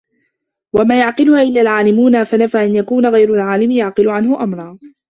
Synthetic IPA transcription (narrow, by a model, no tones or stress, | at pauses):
wamaːjaʕqɪlʊhaːʔɪlːaːlʕaːlɪmuːnafanafaːʔanjakuːnaɣajɾʊlʕaːlɪmɪjaʕqɨlʊʕanhʊʔamɾˤɑː